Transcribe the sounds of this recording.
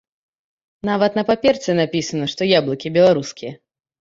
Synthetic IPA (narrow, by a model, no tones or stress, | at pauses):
navɐt̪nɐpapʲɛrsʲɛnapʲisɐnɐʂt̪ɔjablˠɐkʲibʲɛlˠaɾuskʲijɐ